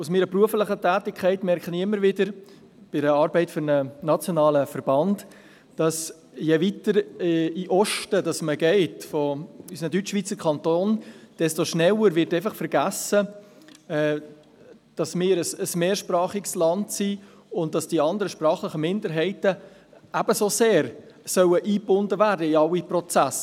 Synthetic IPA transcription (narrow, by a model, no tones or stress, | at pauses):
ʊsmɪːɾəpɾuəfləχətæːtɪkʰɛɪtmɛɾkχəniɪmːəɾvɪdəɾ | b̥ɪɾəɑɾbɛɪtføɾnənɑt͡sjonɑːləfəɾb̥ɑnd | d̥ɑs | jɛvitəɾiʔɔʃtədɑsməɡɛɪtfɔysənədyt͡ʃːʋiːt͡səɾkʰɑntoːnd̥ɛstoʃnɛləɾʋɪtɛɪfɑχfəɾɡ̥æsə | ɛ | d̥ɑsmɪːɾəsəsmeːɾʃpɾɑːχiɡslɑntsi | ʊnt̚d̥ɑsd̥iɑndəɾəʃpɾɑːχlɪχəmɪndəɾɦɛɪtə | ʔæb̥əsoseːɾsœwəʔiːbʊndəvæːrdəiɑwipɾɔt͡sæs